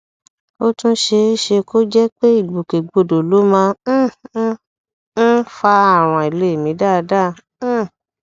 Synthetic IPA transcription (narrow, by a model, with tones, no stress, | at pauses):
o˦tũ˦ʃe˧˦ʃe˧ko˦d͡ʒɛ˦k͡pe˦i˦˨ɡ͡bo˨ke˨ɡ͡bo˧do˨lo˨˦mã˧˦ | n̩˦fa˧a˦˨w̃ɔ̃˨˧i˨le˨˦e˨mĩ˨˦da˦˧dã˦˨˦